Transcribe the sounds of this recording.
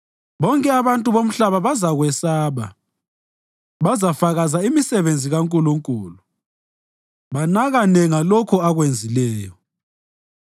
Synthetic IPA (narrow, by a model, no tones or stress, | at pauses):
βɔŋkʼɛaβantʼuβom̩ɬaβaβazaɣwɛsaːβa̰ | βazafaɣazaimisɛβend͡zʱiɣaŋkʼuluŋkʼuːlu | βanaɣanɛŋalokʰuaɣwend͡zʱilɛːjɔ